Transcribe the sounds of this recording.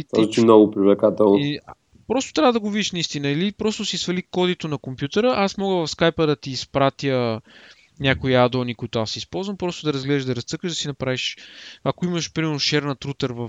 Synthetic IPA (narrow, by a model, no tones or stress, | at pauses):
it̪ɔzt͡ʃimnɔɡʊpɾivlɛkat̪ɛlˠn | pɾɔst̪o̥t̪ɾʲavəd̪ɐɡovid̪iʃnɐist̪inəilipɾɔst̪ʊsisvɐlikɔd̪it̪onɐkompjut̪ɛɾəʔasmɔɡəvɐfskajpəd̪ɐt̪iːspɾat̪jə | nʲakoiad̪onikʊit̪ʊasːiispɔlˠzvɐmpɾɔst̪ʊd̪ɐɾɐzɡlɛd̪əʒd̪ɐɾɐst̪sɤkəʒd̪ɐsinɐpɾaviʃakoiməʃpɾimɛɾnʊʃɛɾnət̪ɾut̪əɾvɐ